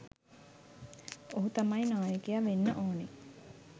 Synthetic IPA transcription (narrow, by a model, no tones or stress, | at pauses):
oɦut̪amɐjnaːjəkejaʋenːəʔoːne